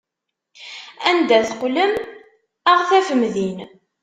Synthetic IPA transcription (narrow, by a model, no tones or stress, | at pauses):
ænd̪æθqləm | əʁθæfəmðin